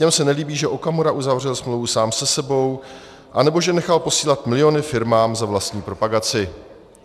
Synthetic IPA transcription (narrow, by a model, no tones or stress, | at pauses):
ɲɛmsɛnɛliːbiːʒɛʔokamoɾaʔuzavr̝ɛlsmlowvusaːmsɛsɛbo̞w | ʔanɛbo̞ʒɛnɛxalpo̞siːlat̪mɪlɪjo̞nɪfɪɾmaːmzavlast̪ɲiːpɾo̞paɡat͡sɪ